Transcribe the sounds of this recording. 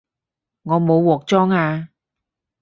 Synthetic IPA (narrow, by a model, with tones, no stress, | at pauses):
ŋɔː˨˧mo˨˧wːɔː˨˩k̚t͡ʃɔː˥ŋaː˧